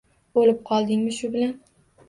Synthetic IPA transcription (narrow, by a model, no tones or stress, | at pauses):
bolɪp̚qʰɒlˠd̪ɪŋmɪʃʊbɪlan